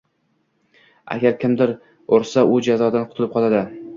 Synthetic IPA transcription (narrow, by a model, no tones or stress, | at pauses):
a̰ɡʲaɾkʲʰɪmd̪ɪɾ | oɾsaʔʊd͡ʒazɒd̪anqʰʊt̪ʰɪlɪp̚qʰɒlˠad̪ɪ